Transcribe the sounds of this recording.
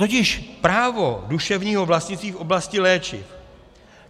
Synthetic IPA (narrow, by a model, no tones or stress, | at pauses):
t̪ocɪʃpɾaːvoduʃɛvɲiːɦo̞vlastɲɪt͡st̪viːfʔo̞blascɪlɛːt͡ʃɪ̰f